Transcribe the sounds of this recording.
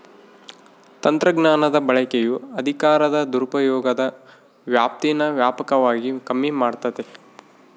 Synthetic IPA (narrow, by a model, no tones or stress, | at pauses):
t̪ɐnt̪ɾɐɡnaːnɐd̪ɐbɐɭɐkejuɐd̪ʱikaːɾɐd̪ɐd̪uɾupɐjɔːɡɐd̪ɐ | ʋjaːp̚t̪inɐʋjaːpɐkɐʋaːɡikɐmːimaːɖt̪ɐd̪e